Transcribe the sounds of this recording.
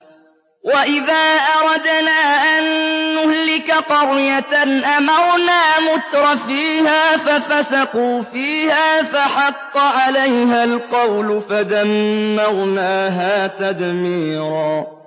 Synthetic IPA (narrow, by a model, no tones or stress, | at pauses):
waʔɪðaːʔɑɾˤɑd̪naːʔanːʊhlɪkaqɑɾjat̪anʔamɑɾˤnaːmʊt̪ɾˤɑfiːhaːfafasaquːfiːhaːfaħɑqːɑʕalajɦalqɑwlʊfad̪amːɑɾˤnaːɦaːt̪ad̪miːɾɑː